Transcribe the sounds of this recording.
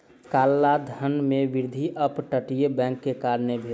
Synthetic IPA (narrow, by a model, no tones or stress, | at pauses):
kaːlːad̪ʱənmẽʋɪɾd̪ʱiʔəpʈəʈijebɛ̃ːŋkːekaːɾnebʱi